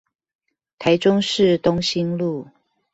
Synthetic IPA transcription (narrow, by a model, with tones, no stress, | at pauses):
t̪ʰa˨˦ɪʈ͡ʂʊ˦ŋʂɻ̩˥˨t̪ʊ˥ŋɕi˥nlu˥˨